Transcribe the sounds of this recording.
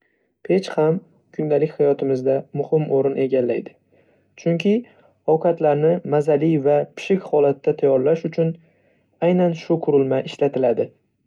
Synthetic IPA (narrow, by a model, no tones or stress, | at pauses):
pʰet͡ʃham | kʰʊnd̪alɪkʲhajɒt̪ʰɪmɪzd̪amʊhɪmoɾɪnʔe̞ɡʲalːajd̪ɪ | t͡ʃʰʊŋkʲʰɪ | ɒwqʰɑt̪laɾnɪmazalijvapʰɪ̥ʃɪkʲhɒlat̪ːat̪ʰajɒɾlaʃʊt͡ʃʰʊn | ajnanʃʊqʰʊɾɪlmaʔɪʃlat̪ʰɪlad̪ɪ